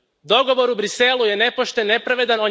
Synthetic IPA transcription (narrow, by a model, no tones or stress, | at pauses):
d̪o̞ɡo̞ʋo̞ɾubɾiselˠuje̞ne̞po̞ʃt̪enːe̞pɾaʋe̞d̪ano̞